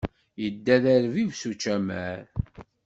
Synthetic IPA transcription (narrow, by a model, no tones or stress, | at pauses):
jəd̪ːæðæɾvivsut͡ʃːæmæ̰ɾ